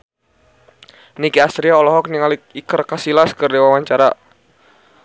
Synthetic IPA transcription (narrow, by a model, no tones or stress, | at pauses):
nikiast̪ɾiaɔlɔɦɔk̚niŋaliikərkasilaskərdewawaɲt͡ʃaɾa